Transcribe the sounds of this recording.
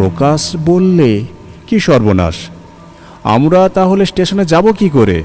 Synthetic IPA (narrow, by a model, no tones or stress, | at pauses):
okaʃbolːe | kiʃɔɾbona̰ʃ | a̰mɾat̪aɦolesʈeʃoned͡ʑabokikoɾḛ